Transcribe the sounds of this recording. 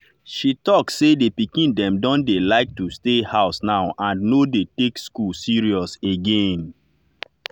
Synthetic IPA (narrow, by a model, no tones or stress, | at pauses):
ʃitɔkssedepikĩndɛ̃mdɔ̃ndelaɪk̚tustehaʊsnaʊʔãnnodetekskulsiɹiɔseɡẽn